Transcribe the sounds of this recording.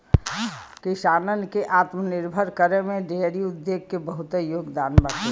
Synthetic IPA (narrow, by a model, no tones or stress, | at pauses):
kɪʃaːnənkeʔaːt̪mənɪɾbʱəɾkəɾemẽɖeɾiʊd̪ːeːɡ̚kebəɦʊt̪joːɡd̪aːnbane